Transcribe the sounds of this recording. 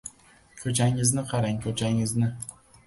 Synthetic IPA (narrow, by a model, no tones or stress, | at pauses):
kʲʰɵt͡ʃʰaŋɪznɪqʰɑɾaŋkʲʰɵt͡ʃʰaŋɪznɪ